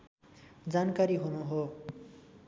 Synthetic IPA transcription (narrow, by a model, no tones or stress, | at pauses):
d͡zankaɾiɦunuɦo